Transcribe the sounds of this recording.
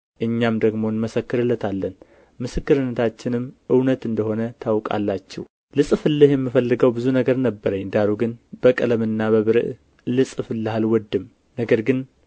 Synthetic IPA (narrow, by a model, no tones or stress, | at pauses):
ʔɨɲːamd̪əɡmo̞nməsəkːɨɾɨlːət̪ʰalːən | mɨsɨkːɨɾɨnːət̪ʰat͡ʃːɪnɨmːʔɨwnət̪ɨnd̪əho̞nət̪ʰawkʼa̰lːat͡ʃːɛ̰w | lɨsʼɨfɨlːɨhjɛmːɨfəlːɨɡəwbɨzunəɡəɾnəbːəɾəɲːd̪aɾuɡɨnbəkʼɨləmɨnːabəβɨɾɨ̰ʔ | lɨsʼɨfɨlːɨhalwɔd̪ːɨm | nəɡəɾɡɨn